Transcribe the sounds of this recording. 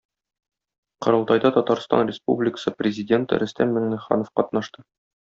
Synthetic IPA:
qɤ̆ɾɤ̆lˠt̪ɑjd̪ɑt̪ɒt̪ɑɾst̪ɑ̰nrʲɪspṵblʲɪkə̥sɤprʲɪzʲɪdʲe̞nt̪ɾʔɵ̆st̪æmmɘŋnɘ̆χɑ̰nŏfqɒt̪nɑʃt̪ɤ

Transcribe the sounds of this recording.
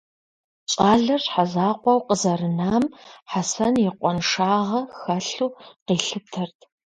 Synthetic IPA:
ɕʼaːɮɐrħazaːqʷɔwqəzɐɾɨnaːmħasɐnjɪqʷʼɔnʂaːʁɐxɐɬuːqiːɬɨtʰɐrtʰ

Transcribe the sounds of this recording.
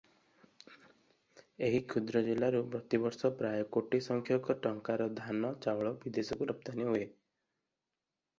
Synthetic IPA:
eɦikʰud̪ɾɔd͡ʒilːaɾupɾɔt̪ibɔɾsɔpɾajɔkoʈisɔŋkʰjɔkɔʈɔŋkaɾɔd̪ʱanɔt͡ʃawɭɔbid̪esɔkuɾɔpt̪aniɦoe

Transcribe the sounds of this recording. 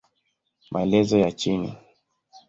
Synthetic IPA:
mʔaɛlɛzɔjat͡ʃinḭ

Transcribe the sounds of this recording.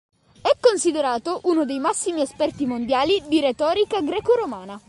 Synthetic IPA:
ɛkːonsid̪eɾaːt̪oʔunod̪ejmasːimiespɛrt̪imond̪jaːlid̪iɾet̪ɔːɾikaɡɾɛːkoɾomaːna

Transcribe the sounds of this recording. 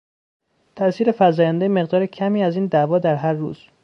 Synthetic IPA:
t̪ʰæʔsiːɾe̞fæzɒːjænd̪ejme̞ɣd̪ɒːɾecʰæmiːæziːnd̪ævɒːd̪æɾɦæɾːṵːz̥

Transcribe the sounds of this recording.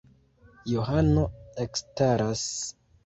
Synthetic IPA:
juɦano̞ekstaɾas

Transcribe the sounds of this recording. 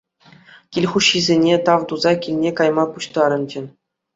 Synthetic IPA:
kʲilʲχuɕːizʲenʲet̪ɑʋd̪uzɑkʲilʲnʲekɑjmɑpuɕt̪ɑɾɤ̆nd͡ʑɘ̆nʲ

